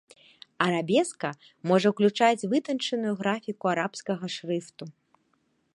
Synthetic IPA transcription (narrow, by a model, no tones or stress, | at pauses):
ɐɾabʲɛskɐ | mɔʐɐwklʲut͡ʂat͡sʲvɨt̪ɐnt͡ʂɐnujuɣɾafʲikuaɾapskɐɣɐʂrɨft̪u